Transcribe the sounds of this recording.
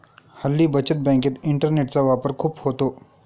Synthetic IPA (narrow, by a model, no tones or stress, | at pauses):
hɐlːibɐt͡ʃət̪̚bɛ̃ːŋkət̪ɪ̃ɳʈəɾneːʈsaʋaːpəɾkʰuphoːt̪oː